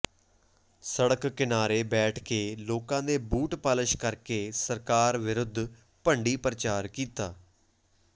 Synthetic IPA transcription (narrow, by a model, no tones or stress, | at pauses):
səɽəkːɪnaːɾeːbɛːʈʰkeːloːkãːd̪eːbuːʈpaːlɪʃkəɾkeːsəɾkaːɾʋɪɾʊd̪ʱː | pəɳɖiːpɾət͡ʃaːɾkiːt̪aː